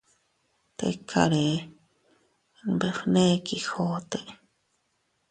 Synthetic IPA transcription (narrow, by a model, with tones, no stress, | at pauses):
t̪ḛ˧kʰa̰˧ɾe˨ | be˨fnẽ˦ki˨xo˦t̪e˨ʔ